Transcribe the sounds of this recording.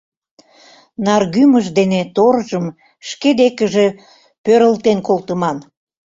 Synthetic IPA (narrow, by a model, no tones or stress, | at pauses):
nɑrɣyməʒd̪enet̪orʒəm | ʃked̪ekəʒe̽ | pøɾəlt̪enkolt̪əmɑn